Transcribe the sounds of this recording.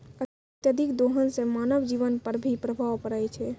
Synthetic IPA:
ə | t̪jəd̪ʱikd̪oɦənsẽmanəʋd͡ʒiʋənpəɾbʱipɾəbʱaʋpəɾəjt͡ʃʰɛ

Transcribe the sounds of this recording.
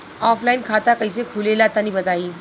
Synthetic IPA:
ɔːfʰlaːɪnkʰaːt̪akɐisekʰulelaːt̪anəɦĩbɐt̪aːiː

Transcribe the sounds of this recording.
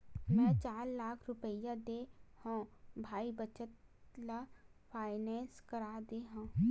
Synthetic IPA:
mɛ̃t͡ʃaːɾlaːkʰɾʊpəjãd̪ehãːbʱaːibət͡ʃət̪̚lapʰaːɪnɛ̃ːnskɐɾaːd̪eɦãː

